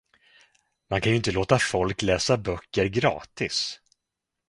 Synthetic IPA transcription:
mankʰanʏɪnt̪əloːt̪afɔlklɛːsabœkːəɾɡɾɑ̰ːt̪ɪs

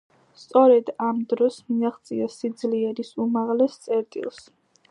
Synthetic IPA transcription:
st̪sʼɔɾɛd̪amd̪ɾɔsmiaχt̪sʼḭasid̪zliɛɾisumaʁlɛst̪sʼɛɾt̪ʼḭlˠs

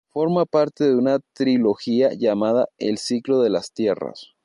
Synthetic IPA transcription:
fo̞ɾmapaɾt̪e̞ðe̞unat̪ɾilo̞xiaʝamaðaḛlsiklo̞ðe̞last̪je̞ra̰s

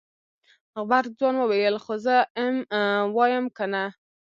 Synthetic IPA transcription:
ɣbaɾd͡zwɑnwəwejelxozəmwɑjəmkəna

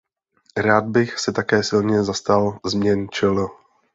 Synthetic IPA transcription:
ɾaːd̪̚bɪxsɛt̪akɛːsɪlɲɛzast̪alzmɲɛnt͡ʃɪlo

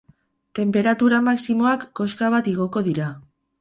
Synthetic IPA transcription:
t̪e̞mpe̞ɾat̪uɾamaksimo̞akːo̞skaβ̞at̪iɣ̞o̞ko̞ðiɾa

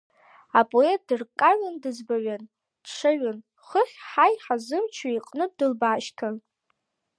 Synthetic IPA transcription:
apʼoet̚dɨrkʼaɥandɨzbaɥan | d̥ʂʰaɥan | χəχʲħajħazɨmt͡ʃʰaiqʼnɨdɨlbaːʃkʰan

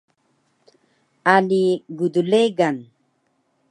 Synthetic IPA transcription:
aliɡud̪uleɡan

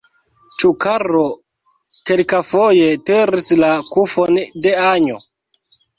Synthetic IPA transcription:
t͡ʃukaɾo | kelkafojeteɾislakufondeaɲo

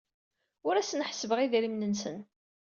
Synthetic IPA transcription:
ʊɾæsənħsəvəʁiðɾimnənsən

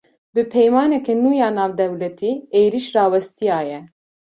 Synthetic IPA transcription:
bɨpʰɛjmɑːnɛkɛnuːjɑːnɑːvd̪ɛwlɛt̪ʰiːeːjɾiʃrɑːwɛst̪ijɑːjɛ

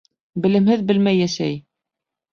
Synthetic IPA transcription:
bɘ̆lɘ̆mhɘðbɘ̆lmæjːæʃæ̰j

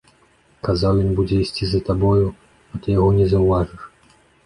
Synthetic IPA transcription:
kazawjɔnbud͡zʲɛisʲt͡sʲizɐt̪abɔju | at̪ɨjaɣɔnʲɛzɐwvaʐɨʂ

